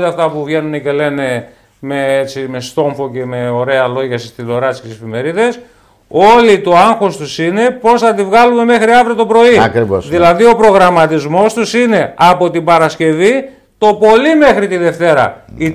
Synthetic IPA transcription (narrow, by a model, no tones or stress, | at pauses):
t̪eɐft̪ɐpuvʝe̞nunece̞le̞ne̞ | me̞et͡sime̞st̪o̞ɱfo̞ce̞me̞o̞ɾe̞ɐlo̞ʝɐsist̪iðo̞ɾɐt̪sket̪isefime̞ɾiðe̞s | o̞lit̪o̞ɐŋxo̞st̪usine̞po̞sθɐt̪ivɣɐlume̞me̞xɾiɐvɾet̪o̞pɾo̞iɐkɾivosðilɐðio̞pɾo̞ɣɾɐmɐt̪izmo̞st̪usine̞ɐpo̞t̪ibɐɾɐsce̞vi | t̪o̞po̞lime̞xɾit̪iðe̞ft̪e̞ɾɐ̰i